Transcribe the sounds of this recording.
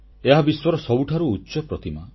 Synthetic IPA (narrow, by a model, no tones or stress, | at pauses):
eɦabiswɔɾɔsɔbuʈʰaɾuːtːʃɔpɾɔt̪ima